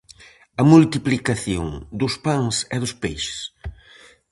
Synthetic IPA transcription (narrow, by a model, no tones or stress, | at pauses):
ɐmult̪iplikaθjo̰ŋd̪ʊspaŋsɛðʊspejʃɪ̥s